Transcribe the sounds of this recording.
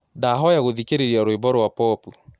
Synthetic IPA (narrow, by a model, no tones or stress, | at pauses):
daɦɔjaɣoðikeɾeɾjaɾoebɔɾowapɔpu